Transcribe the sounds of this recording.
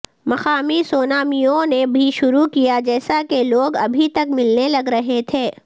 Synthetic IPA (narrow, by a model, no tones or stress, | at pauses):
mɐxaːmisoːnaːmijõnebʱiʃʊɾukijad͡ʒɛːsakeloːɡɐ̰bʱit̪ɐkmɪlnelɐɡɾɐɦet̪ʰeː